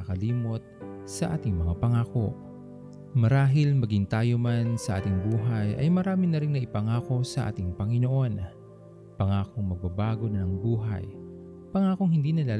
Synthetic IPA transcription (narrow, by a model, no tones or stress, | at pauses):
ɐkɐliːmo̞t̪̚sɐʔa̰ːt̪ɪŋmɐŋapɐŋaːko̞̰ | mɐɾaːɦɪlmɐɡɪŋt̪aːjo̞mansɐʔa̰ːt̪ɪŋbuːɦɐjʔɐ̰jmɐɾaːmɪnɐɾɪŋnɐʔɪpɐŋaːko̞sɐʔa̰ːt̪ɪŋpɐŋɪno̞ʔo̞n | pɐŋaːko̞ŋmɐɡ̚bɐbaːɡo̞nɐnɐŋbuːɦɐ̰j | pɐŋaːko̞ŋhɪnd̪iːnɐlaːl